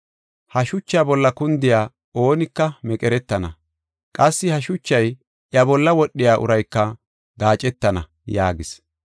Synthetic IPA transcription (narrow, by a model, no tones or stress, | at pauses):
hɐʃʊt͡ʃːabɔlːɐkʊnd̪ɪjaː | o̞ːnɪkːɐmɛkʼɛɾɛt̪ːɐnɐ | kʼɐsːɪhɐʃʊt͡ʃːɐj | ʔjɐbɔlːɐwɔɗːɪjaːʔʊ̰ɾɐjkːɐ | ɡaːt͡ʃʼɛt̪ːɐnɐ | jaːɡɪs